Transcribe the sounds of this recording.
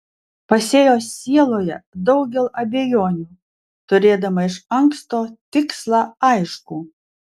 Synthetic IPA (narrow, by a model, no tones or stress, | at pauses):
pɐsʲeːjoːsːʲiɛlˠoːjɛd̪ɒʊɡʲɛlˠɐbʲejoːnʲuː | t̪ʊɾʲeːd̪ɐmɐɪʃɐŋkst̪oːt̪ʲɪkslˠɑːɐɪʃkuː